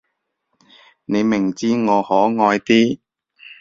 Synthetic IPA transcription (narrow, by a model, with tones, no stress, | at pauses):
ne˨˧jmɪ˨˩ŋt͡siː˥ŋɔː˨˧hɔː˨˥ŋɔː˧jt̪iː˥